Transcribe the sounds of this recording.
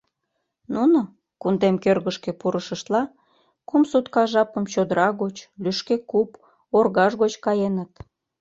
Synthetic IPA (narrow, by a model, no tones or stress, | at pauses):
nuno | kund̪emkørɣəʃkepuɾəʃəʃt̪lɑ | kumsut̪kɑʒɑpəmt͡ɕod̪əɾɑɣot͡ɕlyʃkekup | orɣɑʒɣot͡ɕkɑjenət̪